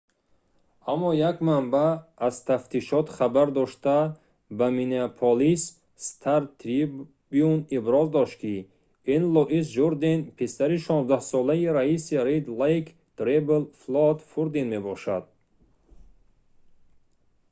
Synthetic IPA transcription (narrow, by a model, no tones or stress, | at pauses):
amːɔjakmambaːzt̪ʰaft̪ʰiʃɔt̪χabaɾd̪ɔʃt̪a | bamineapʰɔlis | st̪ʰaɾt̪ʰɾi | biunibɾɔzd̪ɔʃt̪kʰi | inlɔʔisd͡ʒuɾd̪enpʰesaɾiʃɔnzd̪ahsɔlaiɾaisiɾed̪laik | d̪̥ɾebelflɔd̪fuɾd̪enmebɔʃa̰d̪̥̚